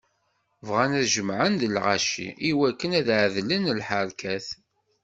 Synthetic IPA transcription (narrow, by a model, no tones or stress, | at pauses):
vʁænæðʒəmʕənd̪əlʁa̰ʃḭiwækːənæðʕðlənəlħaɾkʰæθ